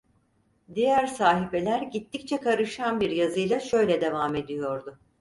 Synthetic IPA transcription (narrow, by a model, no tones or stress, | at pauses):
d̪ijæɾsaːɦife̞lʲæɾɟit̪ʰːic̚t͡ʃʰɛkʰaɾɯʃanbiɾjazɯjlˠaʃø̞jlʲɛd̪e̞vaːme̞d̪ijo̞ɾd̪ʊ